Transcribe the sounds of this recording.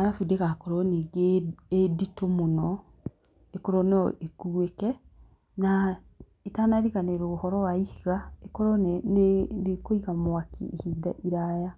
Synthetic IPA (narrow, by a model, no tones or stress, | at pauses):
aɣafideɣakoɾɔneɡeeditomonɔ | ekoɾɔneɔekuwekɛ | na | etanaɾiɣaneɾoːhɔɾɔwaihiɣaekɔɾɔnnenekoiɣamoakḭehiːda̰ʔiɾaja